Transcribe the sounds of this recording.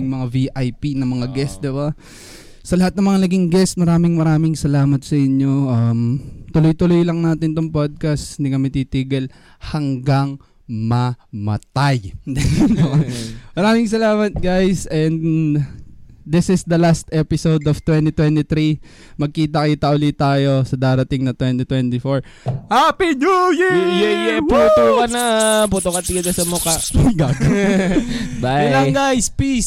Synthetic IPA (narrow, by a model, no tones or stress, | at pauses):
ŋmɐŋaviʔajpinɐŋmɐŋaɡɛsd̪ɪba | sɐlɐhat̪̚nɐŋmɐŋanɐɡɪŋɡɛst̪̚mɐɾaːmɪŋmɐɾaːmɪŋsɐlaːmɐt̪̚sɐʔɪɲːo̞ʔɐmt̪ʊlojt̪ʊlojlɐŋnaːt̪ɪnt̪oŋpod̪̚kɐst̪nɪɡɐmɛt̪it̪iɡɛl | hɐŋɡaŋ | mɐmɐ̰t̪ajd̪ɛɛomɐɾaːmɪŋs̬ɐlaːmɐt̪̚ɡajsɛn | d̪ɪsɪsd̪ɐlast̪ʔɛpɪsowd̪oft̪wɛnt̪it̪wɛnt̪it̪ɾi | mɐɡ̚kiːt̪̬ɐkɐt̪ɐʔʊlit̪aɐjo̞sɐd̪aːɾɐt̪ɪŋnɐt̪wɛnt̪it̪wɛnt̪ɪfoɹ | hapid͡ʒujɛjɛjɛput̪okɐnɐput̪okɐt̪ɪɡɐd̪ɐsɐmokɐɡaɡɐ | baɐlɐɡajspis